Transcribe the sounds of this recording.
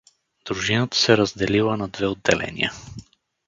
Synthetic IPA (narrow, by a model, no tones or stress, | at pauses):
d̪ɾuʒinət̪ə̥sɛɾəzd̪ɛlilˠənad̪vɛod̪ːɛlɛ̰nḭjə